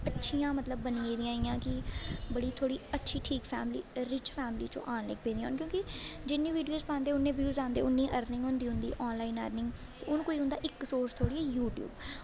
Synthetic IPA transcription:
ətːʃʰiːãːmət̪ləbːənĩːeːd̪ĩjãːɪːãːkɪbəɽiːt̪ʰoːɽiːətːʃʰiːʈʰiːkfʰɛːmlḭːɾɪt͡ʃpʰɛːmlḭːt͡ʃõ̰ːʔaːnlḛːk̚pẽːd̪ij̃ːaːnkjõːkɪd͡ʒɪnːẽːʋiːɖijoːzpãːnd̪eːʊnːẽːʋjuːzãːnd̪ḛːʊnːĩːʔəɾnɪ̃ŋɡɦʊnd̪iːɦʊ̃nd̪ḭːʔɔːnlaːiːnə̰ɾnɪ̃ŋɡt̪eːʊñːkoːiːɦʊ̃nd̪a̰ːʔɪksoːst̪ʰoːɽiːɛːjuːʈjṵːb

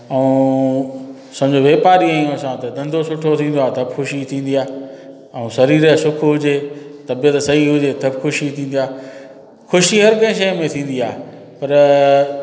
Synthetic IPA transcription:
ɐũ | sɐmd͡ʑoʋeːpaːɾiaːijõɐsãt̪ɐd̪ɐ̃nd̪ʱosʊʈʰot̪ʰĩːn̆d̪oaːt̪ʰɐbxʊʃit̪ʰĩːn̆d̪iaː | ɐũsɐɾiːɾəsʊkʰɦʊd͡ʑet̪ɐbijət̪sɐɦiɦʊd͡ʑet̪ʰɐbxʰʊʃit̪ʰĩːnd̪ijaː | xʊʃiɦɐɾkɐ̃ɪ̃ʃ̬ɐjmẽt̪ʰĩːn̆d̪iaːɦ | pɐɾ

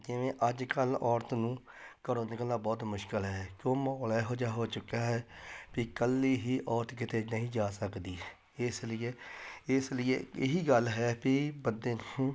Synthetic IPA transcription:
d͡ʒɪʋẽːʔəd͡ʒkəlɔːɾt̪nũː | kəɾoːnekəlaːbɔːt̪mʊʃkɪəlɦɛːkjõːmɔːlɛːɦoːd͡ʒaːɦoːt͡ʃʊkːaːɦɛːpikəliːɦiːʔɔːɾt̪k̬ɪt̪eːnəɦĩːd͡ʒaːsəkd̪iː | ɪslɪeːɪslɪjḛːɪɦiːɡəlɦɛːpiːbəd̪eːnː

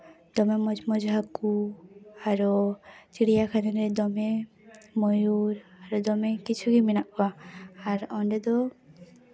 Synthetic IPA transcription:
d̪̥ɔmɛmɔd͡ʒmɔd͡ʒɦaku | aɾɔt͡ʃiɽijakʰanɛnɾɛd̪ɔmɛ | mɔjuɾaɾɔd̪ɔmɛkit͡ʃʰuɡiminaʔkɔaaɾɔɳɖɛd̪ɔ

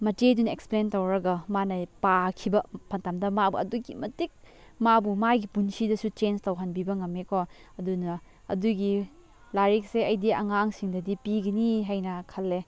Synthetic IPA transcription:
mɐtedunɐeksplentɐwɾɐɡɐmanɐjpakʰibɐpʰɐntamdɐmabuɐ̰duɡḭmɐtik̚ | mabumajɡipunsidɐsut͡ʃenstɐwɦɐnbibɐŋɐmːekʰo | ɐdunɐ | ɐ̰duɡi | laɾik̚seɐjdiɐ̰ŋaŋsiŋdɐdipiɡɐniɦajnɐkʰɐlːe

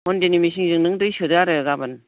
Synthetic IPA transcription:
mɔndenimis̬iŋzɯŋnɯŋdɯjsɯdaɾɯɡabɯn

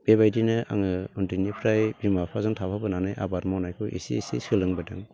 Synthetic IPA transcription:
b̥ebajdinɯʔa̰ŋɯɔntinipʰɾajbimapʰazɯŋtʰapʰabɯnanajʔa̰baɾmɔnajkʰɯʔḭsḭsḭsɯlɯŋbadɯŋ

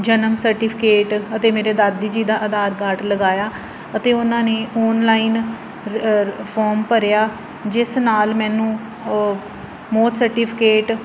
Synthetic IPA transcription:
d͡ʒənəmsəɾʈiːpʰɪkeːʈət̪eːmeːɾeːd̪aːd̪iːd͡ʒiːd̪aːʔəd̪aːɾɡaːʈləɡaːjaː | ət̪eːʊnãːneːɔːnlaːiːn | pʰɔːɾmpəɾjaː | d͡ʒɪsnaːlmɛ̃ːnũː | mɔːt̪ʰsəɾʈiːpʰɪ̥keːʈ

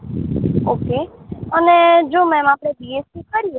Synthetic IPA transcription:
oːkeəned͡ʒoːmɛ̃mãːpɾediːespikəɾijo

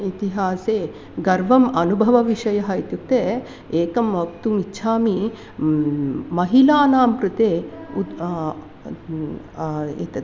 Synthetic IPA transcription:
it̪iɦaːseː | ɡɐɾʋɐmɐnubʱɐʋɐʋiʃɐjɐɦɐjt̪juk̚t̪eː | eːkɐmɐk̚t̪umitːʃʰaːmi | mɐɦilaːnaːmpɾut̪eːu | ḭt̪ɐ

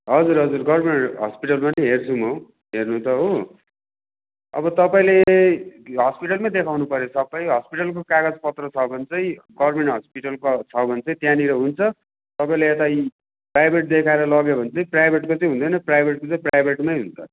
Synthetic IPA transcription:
ɦʌd͡zuɾɦʌd͡zurɡʌrmeɳʈɦʌ̰spiʈʌlmanʌiɦert͡sʰumʌ | ɦernut̪ʌɦo | ʌ̰bʌt̪ʌpaĩle | ɦʌspiʈʌlmad̪ekʰawnupʌɾjosʌbːʌjɦʌspiʈʌlkokaɡad͡zpʌt̪rʌt͡sʰʌbʱʌnt͡sʌĩɡʌrmeɳʈɦʌspiʈʌlkot͡sʰʌbʱʌnt͡sʌĩt̪janiɾʌɦunt͡sʰʌ | t̪ʌpaĩleːt̪a | prajbʱeʈ̚d̪ekʰaeɾʌlʌɡebʱʌnt͡sʌĩprajbʱeʈkot͡sʌjɦũnd̪ʌjnʌprajbʱeʈ̚kot͡sʌĩprajbʱeʈmajɦunt͡s̪ʰʌ

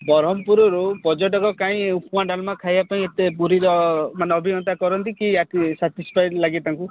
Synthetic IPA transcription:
bɔɾɔmpuɾɔɾubɔd͡ʒɔʈɔkɔkaĩupmaɖalmakʰajbapaĩet̪epuɾiɾɔmaneɔbʱinɔnt̪akɔɾɔnt̪ikiatisaʈispʰajʈlaɡit̪aŋku

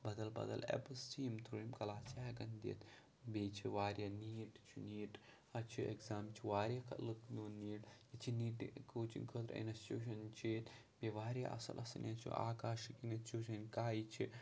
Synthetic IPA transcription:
bɐd̪ɐlbɐ̰d̪ɐ̰lḛpstʰiːmt̪ʰuɾimkɐlaːt͡ʃʰaːɡɐnd̪ḭt̪ʰ | beːt͡ʃʰiʋaːɾjaniːʈt͡ʃʰuniːʈ | ɐt͡ʃʰuḛkzaːmt͡ʃʰiʋaːɾʲjakʰɐ̰lɨknoːniːʈjit͡ʃʰiniːʈkʰoːt͡ʃḭnkʰot̪ɾɐ̰nɐst͡ʃuːʃ̬ɐnt͡ʃʰiːt̪ | beʋaːɾja̰ʔɐ̰sɐ̰lʔɐsɐnʲat͡ʃʰṵʔa̰ːkaːʃkinɐt͡ʃuːʃɐnkaːjt͡ʃʰi

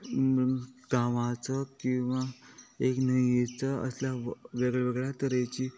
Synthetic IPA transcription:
ɡaʋat͡səkĩw̃ʋaeknəiet͡səə̰sljaʋeɡɭeʋeɡɭjat̪əɾjat͡ɕiː

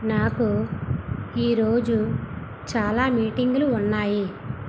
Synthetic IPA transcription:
naːku | iːɾo̞ːd͡ʒu | t͡ʃaːlaːmiːʈiŋɡuluːnːaːji

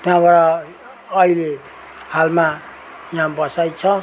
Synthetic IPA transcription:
t̪jãbaɾʌː | ɦile | halma | jãbʌsajt͡sʰʌ

